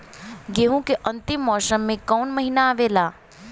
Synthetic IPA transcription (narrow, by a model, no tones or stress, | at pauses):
ɡeɦũkeʔə̃nt̪ɪmːɔːsəmːẽkɔːnməɦinaːʋeːlaː